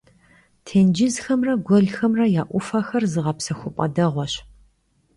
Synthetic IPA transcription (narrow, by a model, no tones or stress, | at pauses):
tʰeːnd͡ʒɪzxɐmrɐɡʷɔɮxɐmrɐjaːʔʷʊfɐxɐrzɨʁɐpsɐxʷʊpʼɐ̰dɐʁʷɔɕ